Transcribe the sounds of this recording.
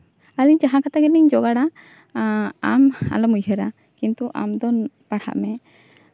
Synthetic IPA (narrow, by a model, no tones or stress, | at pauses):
aliɲt͡ʃaɦãkat̪aɡɛliɲd͡ʒɔɡaɽa | ama̰lɔmujhəɾa | kint̪uʔa̰md̪ɔnpaɽha̰ʔmɛ